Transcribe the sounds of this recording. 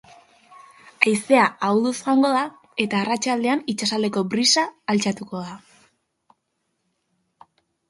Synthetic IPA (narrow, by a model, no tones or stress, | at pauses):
ajse̞aawðusɣaŋɡo̞ð̞a | e̞t̪aːrat͡ʃald̪e̞anit͡ʃasald̪e̞ko̞bɾisaːlt͡sat̪uko̞ða